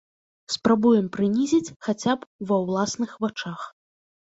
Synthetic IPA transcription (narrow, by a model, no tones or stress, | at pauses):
spɾabujɛmpɾɨnʲizʲit͡sʲxat͡sʲapvɐwlˠasnɨxvat͡ʂax